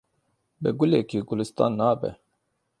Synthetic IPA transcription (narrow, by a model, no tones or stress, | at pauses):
bɛɡuleːkʰiːɡʊlist̪a̰ːnːaːbɛ̰